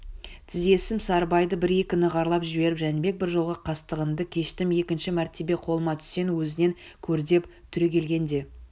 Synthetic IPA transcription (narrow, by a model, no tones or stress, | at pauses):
t̪ʰɪze̞sɪmsɑɾbɑjd̪əbɪɾekʲɪnəʁɑɾlˠɑpʒɪbe̞ɾɪpʒænbe̞k̚bɪɾʒolˠʁɑqʰɑst̪əʁənd̪əkʲʰe̞ʃt̪ɪme̞kʲɪnʃɪmæɾt̪e̞be̞qʰo̞lˠəmɑt̪ʰʏ̥se̞nwɵzɪne̞ŋkʲʰɵɾd̪e̞pt̪ʰʏɾekʲʰe̞lɡʲe̞nd̪e̞